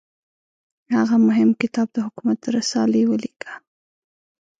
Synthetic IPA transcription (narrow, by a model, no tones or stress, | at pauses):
haɣamʊɦɪmkɪt̪ɑb̚d̪əhʊkumat̪̚d̪əɾasɑlewəlikʰḁ